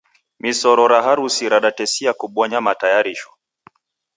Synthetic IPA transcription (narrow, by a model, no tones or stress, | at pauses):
misɔɾɔɾaɦaɾusiɾaɗatɛsiakuɓwɔɲamatajaɾiʃɔ̥